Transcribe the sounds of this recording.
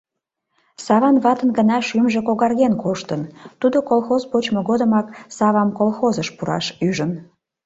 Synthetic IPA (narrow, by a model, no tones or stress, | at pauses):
sɑβɑnβɑt̪ənɣənɑʃymʒĕkoɣɑrɣenkoʃt̪ənt̪ud̪okolˠxozpot͡ɕmoɣod̪əmɑksɑβɑmkolˠxozəʃpuɾɑ̰ʃyʒən